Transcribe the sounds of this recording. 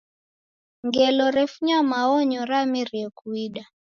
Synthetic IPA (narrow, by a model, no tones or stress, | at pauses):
ŋɡɛlɔɾɛfuɲamaɔɲɔɾamiɾiɛkuiɗa